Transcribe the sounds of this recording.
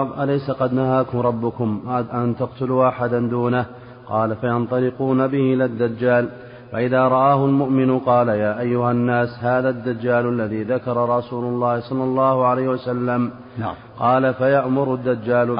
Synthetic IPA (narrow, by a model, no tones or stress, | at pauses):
ðˤʔalajsaqɑd̪nahaːkʊmɾˤɑbːʊkʊmʔant̪aqt̪ʊluːʔaħad̪and̪uːnah | qɑːlafajɑnt̪ˤɑlɪquːnabɪhɪʔɪlad̪ːad͡ʒːaːl | faʔɪðaːɾˤɑʔaːhʊlmʊʔmɪnʊqɑːlajaːʔajːʊhanːaːshaːðaːd̪ːad͡ʒːaːlalːaðiːðakɑɾˤɑɾˤɑsuːlʊlˤːɑːhɪsˤɑlːɑlˤːɑːhʊʕalajhɪwasalːam | qɑːlafajaʔmʊɾʊd̪ːad͡ʒːaːl